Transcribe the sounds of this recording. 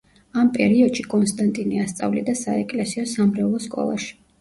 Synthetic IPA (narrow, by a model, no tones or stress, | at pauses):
ampʼɛɾiɔd̪ʃikʼɔnst̪ʼant̪ʼiniast̪sʼa̰vlḭd̪asaɛkʼlɛsiɔsamɾɛlˠɔskʼɔ̰lˠa̰ʃi̥